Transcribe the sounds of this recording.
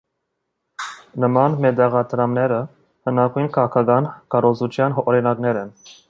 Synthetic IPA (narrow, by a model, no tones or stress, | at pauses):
nəmɑnmɛd̪ɛʁɑt̪ʰɾɑmnɛɾə | hənɑkʰujnkʰɑʁɑkʰɑɡɑnkɑɾɔzut͡ʃʰjɑnɦɔɾinɑknɛɾɛn